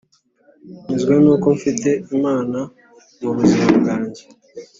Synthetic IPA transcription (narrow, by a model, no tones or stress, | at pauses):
ɲizɡwenuːko̞ɱfite̞imaːna | muβuzimabɡaːɲɟe̞